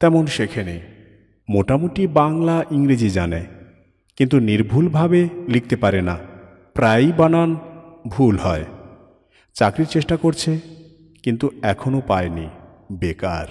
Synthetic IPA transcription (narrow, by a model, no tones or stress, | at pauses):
t̪ɛmonʃekʰene | moʈamoʈibaŋlaʔiŋɾed͡ʑid͡ʑana | kint̪uniɾbʱulbʱabelik̚t̪epaɾena | pɾajbananbʱulɦɔe | t͡ɕakɾiɾt͡ɕeʃʈakoɾt͡ɕʰe | kint̪uɛkʰonopaeni | beka̰ɾ